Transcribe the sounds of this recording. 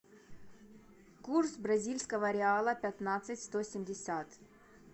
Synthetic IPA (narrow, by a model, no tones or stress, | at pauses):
kursbɾɐzʲilʲskəvəɾʲɪalˠəpʲat̪nat̪sɨtʲst̪osʲɪmʲdʲɪsʲat̪